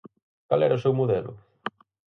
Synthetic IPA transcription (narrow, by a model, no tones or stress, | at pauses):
kalɛɾɐʊsewmoðɛlʊ̰